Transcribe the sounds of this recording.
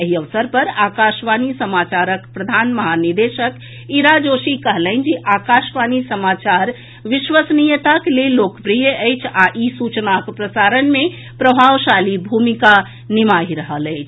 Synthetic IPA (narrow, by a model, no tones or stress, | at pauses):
əɦiəʋsəɾpəɾakaʃʋanisəmat͡ʃaɾəkpɾəd̪ʱanməɦaniɾd̪eʃək | iɾad͡ʒoʃikəɦlə̃ɪnd͡ʒeʔakaʃʋanisəmat͡ʃaɾ | ʋiʃʋəsnijət̪akelelːokpɾijəəjt͡ʃʰaʔisut͡ʃnakpɾəsaɾənme | pɾəbʱaʋʃalibʱumika | nimaɦiɾəɦələjt͡ʃʰ